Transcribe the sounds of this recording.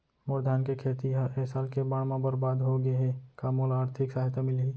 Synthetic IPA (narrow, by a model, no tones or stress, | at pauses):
mʊɾd̪ʱaːnkekʰeːt̪iɦɛɦsaːlkebaːɽmãbəɾbaːd̪ɦoɡəeɦɛ̃kaːmoːlaːɾt̪ʰɪksaːɦt̪emɪlɦiː